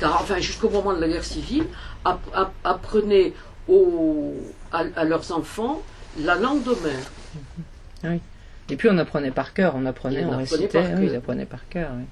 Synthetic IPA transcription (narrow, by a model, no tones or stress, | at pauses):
kaʁɑ̃fɛ̃ʒyskomɔmɑ̃d̪əlaɡɛʁsivilaaapχənɛ | o | aalœʁzɑ̃fɑ̃lalɑ̃ɡd̪əmɛːʁ | wi | epɥiɔ̃napχənɛpaʁkʲœːʁɔ̃napχənɛɔ̃ʁesənɛt̪aɛ̃izapχənɛ̰paʁkʲœːʁwɛ